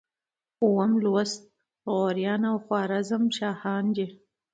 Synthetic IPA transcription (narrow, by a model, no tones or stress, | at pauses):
uwamluwast̪̚ | ɣoːɾjɑːnawxwɑːɾazamʃɑːhɑːnd͡ʒe